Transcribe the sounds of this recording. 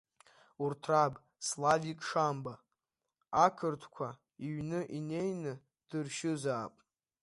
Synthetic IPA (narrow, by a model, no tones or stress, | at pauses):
urtʰrabʼ | slavikʼʂamba | akʰɨrtʰkʷʰa | iɥnɨʔine̞jnɨ | d̥ɨrʃɪzaːpʼ